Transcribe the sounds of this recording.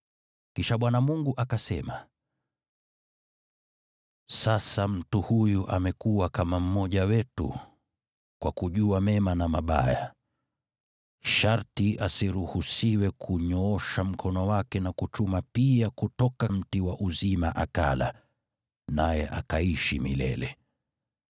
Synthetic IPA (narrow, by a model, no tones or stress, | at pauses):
kiʃaɓwanamuŋɡuʔakasɛma | sasam̩tuhujuʔamɛkuwakamam̩mɔʄawɛtṵ | kwakuʄuamɛmanamaɓa̰ja | ʃaɾtiʔasiɾuhusiwɛkʰuɲɔɔʃam̩kʰɔnɔwakɛnakut͡ʃumapiakutɔkam̩tiwaʔuzimaʔaka̰la̰ | najɛʔa̰kaiʃḭmḭlɛ̰lɛ